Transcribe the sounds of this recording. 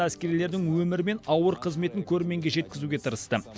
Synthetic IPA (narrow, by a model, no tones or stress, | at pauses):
æskʲe̞ɾile̞ɾd̪ɪŋwɵmɪɾɪme̞nɑwəɾqʰəzme̞t̪ɪŋkʲʰɵɾme̞ŋɡʲe̞ʒe̞t̪̚kʲɪzuɡʲe̞t̪ʰəɾəst̪ə